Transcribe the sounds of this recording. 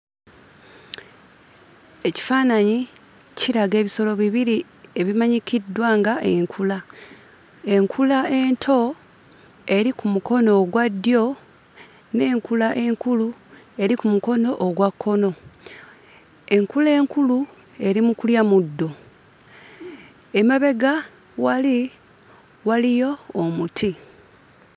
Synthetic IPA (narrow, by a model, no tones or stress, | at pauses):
e̞ci̥faːnaɲi | ciɾaɡe̞ːβiso̞lo̞βiβiɾi | e̞βimaɲikidːwaːŋɡaʔeŋkʰula | e̞ŋkʰulae̞ntʰo̞ | e̞ɾikumuko̞no̞ɡwadːjo̞ | ne̞ːŋkulaʔe̞ŋkulu | e̞ɾikumuko̞no̞ʔːɡwakʰːo̞no̞ | e̞ŋkule̞ːŋkulu | e̞ɾimukuljamudːo̞ | emaβe̞ɡa | wali | walijo̞ːmutʰi